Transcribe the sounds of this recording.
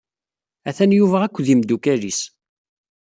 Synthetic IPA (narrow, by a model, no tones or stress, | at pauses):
æθænjuvæʁækʷːðimd̪ukæɾis